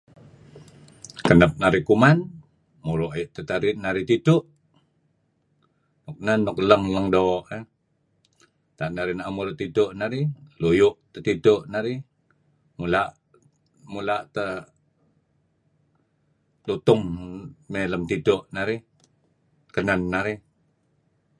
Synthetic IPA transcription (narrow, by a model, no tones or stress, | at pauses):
kənəp̚naɾikuman | muɾoʔiʔt̪ət̪aɾinaɾit̪idʊʔ | nʊk̚nənʊk̚ləŋləŋdoʔə | t̪aʔnaɾinaʔmuɾot̪idʊʔnaɾilujʊʔt̪ət̪idoʔnaɾi | mulaʔ | mulaʔt̪ə | lut̪ʊŋmeləmt̪idoʔnaɾi | kənənːaɾi